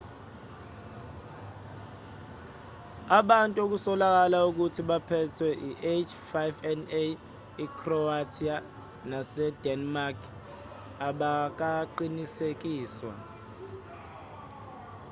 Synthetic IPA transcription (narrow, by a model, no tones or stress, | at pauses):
aɓantʼuok̬usɔlak̬alauk̬utʰiɓapʰɛtʰwɛʔiʔet͡ʃʰfajvɛne | ikʰrɔatʰia | nasɛdɛnmarkʰ | aɓak̬aǃinisek̬iːswa̰